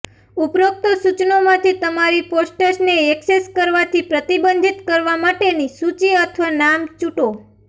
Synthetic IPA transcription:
upɾok̚t̪osut͡ʃnomãt̪ʰit̪əmaɾiposʈəʃneekseskəɾʋat̪ʰipɾət̪ibənd̪ʱit̪kəɾʋamaʈenisut͡ʃiət̪ʰʋanamt͡ʃuʈo

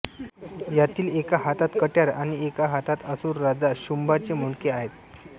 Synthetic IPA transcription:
jat̪iːlekaɦat̪at̪kəʈjaɾa̰ɽ̃iekaɦat̪at̪əsuːɾːad͡zaɕumbat͡semuɳkeaɦet̪̚

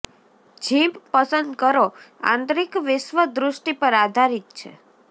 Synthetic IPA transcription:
d͡ʒʱĩbpəsənd̪kəɾoã̰nt̪ɾikʋɪʃʋəd̪ɾʊʃʈipəɾad̪ʱaɾit̪̚t͡ʃʰḛ

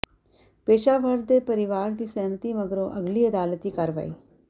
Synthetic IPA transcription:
peːʃaːʋəɾd̪epəɾɪʋaːɾd̪iːsɛːnt̪iːməɡɾõʔɐɡliːəd̪aːlt̪iːkaɾʋa̰iː

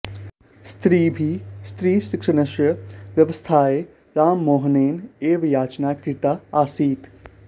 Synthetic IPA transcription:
st̪ɾiːbʱist̪ɾiːʃɪkʂɐnɐʃjɐʋjɐʋəst̪ʰaːe | ɾaːmːoːɦəneːneːʋjaːt͡ʃnaːkɾɪt̪aːaːsiːt̪

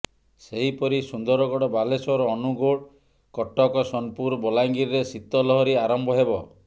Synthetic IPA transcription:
seɦipɔɾisund̪ɔɾɔɡɔɽɔbalesɔɾɔːnuɡoɽ | kɔʈːɔkɔsɔnpuɾbɔlajŋɡiɾɾesit̪ːɔlɔɦɔɾiaɾɔmbɔɦebɔ

